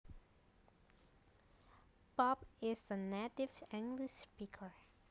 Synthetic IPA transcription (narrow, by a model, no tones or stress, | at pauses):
b̥ɔbɪsðənetɪvsæ̃ŋɡlɪʃspikʰə˞